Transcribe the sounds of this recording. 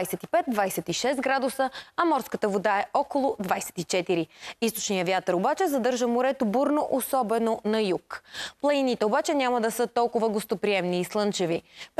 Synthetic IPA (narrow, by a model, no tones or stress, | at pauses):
jsɛt̪ipɛt̪̚d̪vajsɛt̪iʃɛst̪ɡɾad̪ʊsəɐmɔɾskət̪əvod̪aɛɔkolˠʊd̪vajsɛ̥t̪it͡ʃɛt̪iɾiist̪o̥t͡ʃnijəvjat̪əɾobat͡ʃɛzɐd̪ɤɾʒəmoɾɛt̪obuɾnoʔosɔbɛnonɐjukplˠɐinit̪ɛobat͡ʃɛnʲaməd̪ɐsɤt̪ɔlˠkʊvəɡost̪opɾiɛmniːslˠɤnt͡ʃɛvip